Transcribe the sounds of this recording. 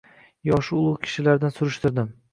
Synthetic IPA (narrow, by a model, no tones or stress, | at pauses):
jɒʃʊlˠʊʁkʲʰɪ̥ʃɪlaɾd̪ansʊɾɪʃt̪ɪɾd̪ɪm